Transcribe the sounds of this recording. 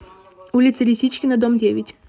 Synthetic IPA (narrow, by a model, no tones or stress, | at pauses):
ulʲɪt̪səlʲɪsʲit͡ɕkʲɪnɐd̪ɔmdʲevʲɪtʲ